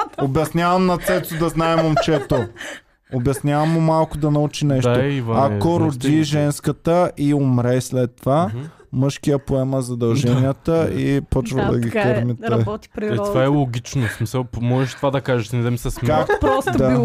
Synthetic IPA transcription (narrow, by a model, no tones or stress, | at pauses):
obɛsnʲavɐmnɐt̪sɛt̪ʊd̪ɐznaɛmomt͡ʃɛt̪o | obʲɐsnʲjavɐmːʊmalˠkʊd̪ɐnɐut͡ʃinɛʃt̪oivakoɾʊd̪ʲiʒɛnskət̪əʔiomɾɛslɛt̪ːova | mɤʃkijəpoɛməzɐd̪ɐlˠʒɛnijət̪əipɔt͡ʃvɐ̰d̪ɐ̰ɡikəɾmit̪ɛ̥ɾt̪vaɛlˠoɡʲit͡ʃnosmisəlˠpmɔʒɛʃt̪ovad̪ɐkaʒɛʃnɛd̪ɐmisɛsmakdd̪a